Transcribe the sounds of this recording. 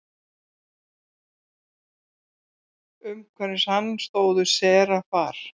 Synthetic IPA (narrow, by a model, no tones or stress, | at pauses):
ʏmkʰvɛɾnɪshanːst̪oːwðʏsɛːɾafaːɾ̥